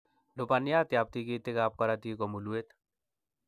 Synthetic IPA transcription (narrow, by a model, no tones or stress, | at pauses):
lopanijaːt̪jaːp̚t̪ikit̪ekaːp̚kɐɾat̪ikomuluet̪